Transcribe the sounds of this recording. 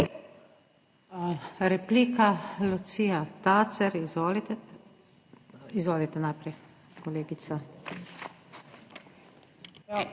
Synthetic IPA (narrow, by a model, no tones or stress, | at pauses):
ɾɛpliːkalut̪siːat̪at̪sɛɾ | izʋɔːlit̪ɛnajpɾɛj | kɔleːɡit̪sa